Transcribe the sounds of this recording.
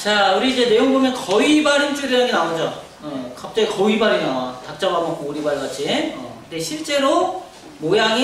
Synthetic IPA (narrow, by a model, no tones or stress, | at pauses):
t͡ɕauɾiːd͡ʑe̞ne̞joŋbomjʌnkʌibaɾint͡ɕ͈ʰuɾijaŋinaad͡ʑo | ekap̚t͈eikʌibaɾinawatak̚t͡ɕ͈abamok͈ouɾibaɭɡat͡ɕʰinkɯnd̪eɕʰiɭt͡ɕ͈e̞ɾo | mojaŋi